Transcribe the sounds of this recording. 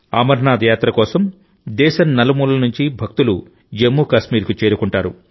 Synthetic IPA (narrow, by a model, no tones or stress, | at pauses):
amɐɾnaːd̪ɐjaːt̪ɾɐkɔːsɐm | d̪ɛːʃɐnnɐlɐmuːlɐnuɲt͡ʃibʱɐk̚t̪ulu | emːukɐʃmiːɾkut͡ʃeːɾukuɳʈaːɾu